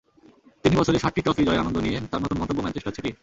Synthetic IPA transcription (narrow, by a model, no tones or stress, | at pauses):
t̪inibɔt͡ɕʰoɾeʃaʈːiʈɾɔfid͡ʑɔeɾanond̪oniet̪aɾmɔt̪oɾmɔnobːomɛt͡ɕeʃʈat͡ɕʰeʈi